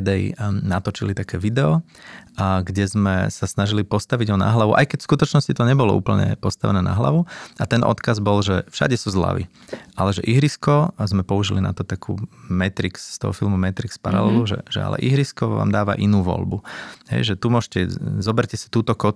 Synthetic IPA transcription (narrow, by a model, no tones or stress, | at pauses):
d̪ɛjnat̪ɔt͡ʃilit̪akɛːʋid̪ɛɔ | ɡɟɛzmɛ̰sasnaʒilipɔst̪aʋiɟɦɔna̰ɦlaʋuʔa̰jkɛcfskut̪ɔt͡ʃnɔscit̪ɔɲɛbɔlɔ̰ʔṵːpl̩ɲɛ̰pɔst̪aʋɛnɛːna̰ɦla̰ʋuat̪ɛnʔɔ̰t̪kazbɔlʒɛfʃa̰ɟɛsuzla̰ʋḭ | alɛʒɛʔiɦɾiskɔzmɛpɔuʒilina̰t̪ɔt̪akʰṵːmɛt̪ɾiksst̪ɔ̰ɦɔ̰filˠmumɛt̪ɾikspaɾa̰lɛluʒɛ̰ʒɛa̰lɛ̰ʔiɦɾiskɔʋa̰ːmd̪aːʋa̰ʔinuːʋɔ̰ʎbuɦɛ̰jʒɛt̪umʊɔːʒcɛzɔbɛɾcɛsi̥t̪uːt̪ɔkɔ